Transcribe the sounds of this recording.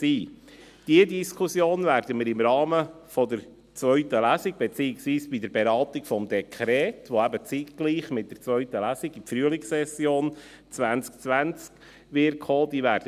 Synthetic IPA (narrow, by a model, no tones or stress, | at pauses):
siː | d̥iədiskʰusjoːnvæːɾdəməɾɪmɾɑːmə | fɔd̪əɾ | t͡sʋœʏtəlæsiɡ̥̚b̥ɛt͡siːɪksʋiːsb̥idəɾbeɾɑːtɪɡfɔmd̪ɛkʰɾɛːtʋoæbət͡sitkliːχmɪt̚d̥əɾt͡sʋœʏtəlæsɪɡifɾyəlɪksɛsjoːn | t͡sʋænt͡skt͡sʋænt͡sk | ʋɪkhoːd̥̪iːvæːɾdə